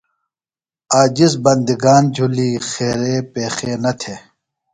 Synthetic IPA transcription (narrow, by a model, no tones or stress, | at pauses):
aːd͡ʑisbɐnd̪iɡaːnd͡ʑʱuliːxeːɾeːpeːxeːnɐt̪ʰeː